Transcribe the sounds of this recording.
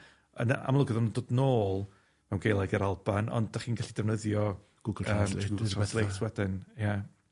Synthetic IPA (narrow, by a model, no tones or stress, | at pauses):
ə̰naa̰mlˠʊɡəðɔndoːdnoːlˠ | mɛwnɡejlˠaɡəɾalˠbanɔ̰nddaχiːnɡaɬid̥ɛvnəðjɔ | ɡ̥ʊɡəmɡɛθlˠetʰwɛdɪnja